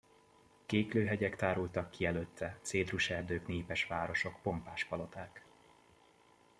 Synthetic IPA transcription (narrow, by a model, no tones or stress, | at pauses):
keːkløːɦɛɟɛkt̪aːɾult̪ɒkːiɛløːt̪ʰːɛt̪seːd̪ruʃɛrd̪øːkneːpɛʃʋaːɾo̞ʃo̞kpo̞mpaːʃkɒlo̞t̪aːk